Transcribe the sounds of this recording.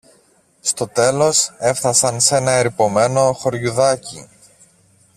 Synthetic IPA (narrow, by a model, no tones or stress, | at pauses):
st̪o̞t̪e̞lo̞se̞fθɐsɐnse̞nɐeɾipo̞me̞no̞xo̞ɾʝuðɐci